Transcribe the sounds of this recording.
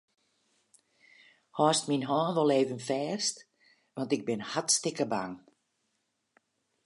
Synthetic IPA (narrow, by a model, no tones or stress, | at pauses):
hɔːstminɦɔːnʋɔlˠeːvənfɛːst | ʋɑntɪɡ̚bɪnhatstɪkəbaŋ